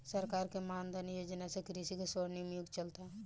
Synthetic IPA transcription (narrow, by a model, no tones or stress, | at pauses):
səɾkaːɾkemaːnd̪anjoːd͡ʒnasekɾisikesoɾnimjuɡt͡ʃəlt̪aɦ